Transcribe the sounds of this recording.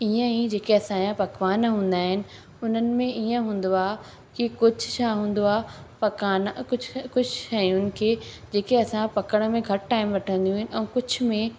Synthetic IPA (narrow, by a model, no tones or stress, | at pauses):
iːə̃ĩd͡ʑeːkeɐsãjãpɐkʋaːnɦũːn̆d̪aːɦɪnɪ̆ | ʊn̤ənɪ̆mẽiːə̃ɦũːn̆d̪oaː | kikʊd͡ʑʱʊ̆ʃaɦũːn̆d̪oaːpɐkaːnkʊkʊd͡ʑʱʃɐijʊnɪ̆kʰeː | d͡ʑeːkeɐsãpɐkəɽ̃̆mẽɡʱɐʈʈaːɪmʋɐʈʰə̃nd̪ijũɦɪn̆ɛ̃ːkʊd͡ʑʱʊ̆mẽ